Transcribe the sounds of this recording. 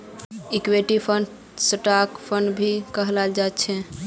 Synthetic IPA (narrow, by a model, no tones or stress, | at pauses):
ikweʈipʰən | səʈakpʰənɖbʱikəɦlald͡ʒat̪t͡ʃʰɛ